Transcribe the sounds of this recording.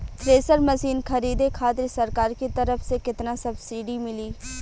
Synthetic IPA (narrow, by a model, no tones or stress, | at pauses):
t̪ʰɾeːsəɾmɐsiːnkʰɐɾiːd̪ekʰaːt̪ɾisɐɾkaːɾkit̪ɐɾəfsekɪt̪nasɐbsiːɖimɪliː